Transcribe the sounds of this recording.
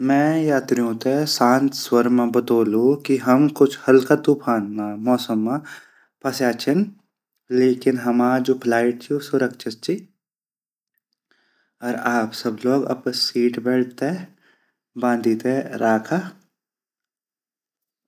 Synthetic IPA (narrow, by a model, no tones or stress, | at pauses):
mɛ̃ːjaːt̪ɾijõt̪esãːnt̪ʰswəɾmãbɐt̪oːlukiɦɐmkʊt͡ʃʰhɐlkat̪uːpʰaːnmãmɔːsəmːã | pɐsaːt͡ʃʰɪn | leːkɪnɦɐmaːd͡ʒoːpʰlaːɪʈ̚t͡ʃʰiosʊɾəkʃʰɪt̪̚t͡ʃʰi | ɔːɾaːpsɐbloːɡɐ̰psiːʈbɛːɽt̪ɦɛ | bãːnd̪ʱiːt̪eɾaːkʰa